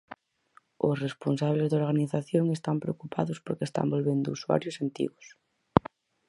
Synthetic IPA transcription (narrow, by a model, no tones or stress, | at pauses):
ʊsresponsaβ̞lezðoɾɣ̞aniθaθjoŋest̪ampɾḛokupʰaðʊspoɾkest̪a̰mbolβend̪ʊuswa̰ɾjʊsant̪ḭɣʊs